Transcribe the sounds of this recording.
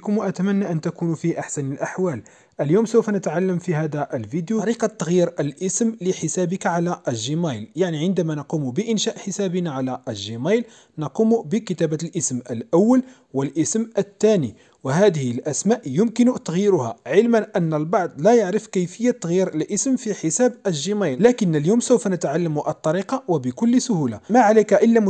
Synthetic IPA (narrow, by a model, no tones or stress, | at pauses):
kʊmʔæt̪æmænːaʔənt̪ækunfiʔaħsænəlʔaħwæl | ʔəljuːmsəwfænət̪ʕalːəmfihæd̪æʔəlfid̪juɾiqɑt̪ˤːɑɣjiːɾəlʔəsmləħəsæbikaʕalæʔəʒːimæjljaʕniʕənd̪æmænɑqumubəʔənʃæʔħəsæbinaʕalæʔəʒːimæjl | nɑqumubəkət̪æbælʔəsmʔəlʔæwːəl | wəlʔəsmʔət̪ːæni | wəɦæd̪əhlʔæsmæʔjʊmkənt̪ɑɣjiɾʊhæ̰ʕəlmænʔənːəlbɑʕd̪ˤlæjaʕɾəfkəjfəjːat̪ːɣjiɾəlʔəsmfiħəsæbəʒəmæjllækənːəljuːmsəwfænət̪ʕalːəmuʔɑt̪ˤːɑɾiqɑwəbəkʊlːsʊhulamaʕalækæʔəlːæ